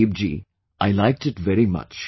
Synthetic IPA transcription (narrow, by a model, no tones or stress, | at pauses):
ib̚d͡ʒḭ | ʔaɪlaɪk̚ʈɨʈʋɛɾimʌ̰t͡ʃ